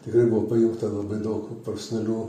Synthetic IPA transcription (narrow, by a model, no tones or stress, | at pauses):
t̪ʲɪkɾɐɪbʊʋopɐjʊŋkt̪ɐlˠɐbɐɪd̪ɐʊkpɐrsʲnʲɛlʲuː